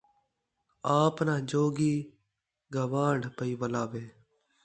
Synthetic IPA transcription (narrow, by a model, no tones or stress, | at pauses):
aːpnaːd͡ʒoːɡiː | ɡəʋãːɖpəiːʋəlaːʋeː